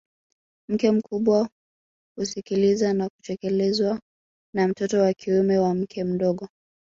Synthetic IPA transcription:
m̩kɛm̩kʰuɓwa | husikilizanaku̥tɛkɛlɛzwa | nam̩tɔtɔwakʰiumɛwam̩kʰɛm̩ɗɔɠɔ

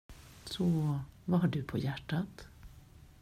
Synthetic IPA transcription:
sɔvɑːhɑɖʉpʰɔ̰ːjæʈːat̪

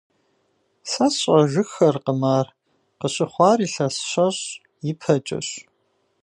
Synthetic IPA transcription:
sɐsʼɐʒʷʊxɐrqəmaːr | qəɕʼɪχʷɑːriːɬɐsɕɐɕ | jɪpʰɐt͡ʃʼɪ̰ɕ

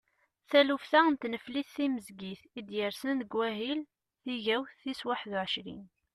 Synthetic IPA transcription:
θælufθæənt̪nəfliθθiməzɡiθid̪jəɾsənd̪ɡwæɦil | θiʝæwθθiswaħðuʕəʃɾḭn

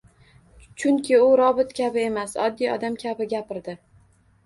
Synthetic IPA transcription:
t͡ʃʰʊŋkʲʰɪʊɾɒbɪt̪kʲʰabɪe̞masɒ̰d̪ːijɒ̰d̪amkʲʰabɪɡʲapɪɾd̪ɪ

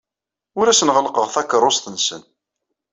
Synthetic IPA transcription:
ʊɾæsənʁəlqəʁθækːəɾˤʊst̪ənsən

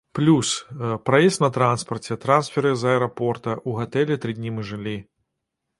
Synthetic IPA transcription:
plʲuspɾajɛst̪nɐt̪ɾanspɐrt͡sʲɛt̪ɾansfʲɛɾɨzɐɛɾapɔrt̪ɐʔuɣat̪ɛlʲɛt̪ɾɨdʲnʲimɨʐɨlʲi

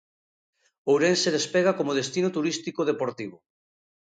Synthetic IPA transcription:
owɾenseðespeɣ̞akomoð̞est̪inot̪uɾist̪ikoðepoɾt̪iβo

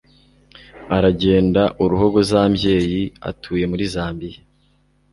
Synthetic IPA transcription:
aɾaɟe̞ːndaʔuɾuɦo̞ɡo̞zaːmje̞ːjia̰tʰuːje̞muɾizaːmbije

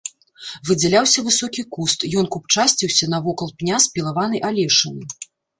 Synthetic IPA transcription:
vɨd͡zʲalʲawsʲɐvɨsɔkʲikust̪jɔnkup̚t͡ʂasʲt͡sʲiwsʲɐnɐvɔkɐlˠpnʲaspʲilˠavanɨjʔalʲɛʂɨnɨ

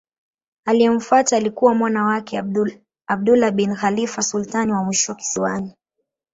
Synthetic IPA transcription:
alijɛm̩fuataːlikuwamwanawakɛ | ab̚dulaɓinxalifasultaniwamwiʃɔwaki̥siwani

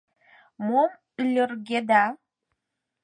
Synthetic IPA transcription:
mom | ylʲərɣed̪ɑ

